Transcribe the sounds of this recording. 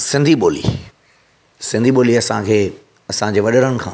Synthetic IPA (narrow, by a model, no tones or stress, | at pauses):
sɪ̃nd̪ʱiɓoːlḭ | sɪ̃nd̪ʱiɓoːliɐsãkʰeː | ɐsãd͡ʑeːʋɐɗəɾənɪ̆kʰã̰ː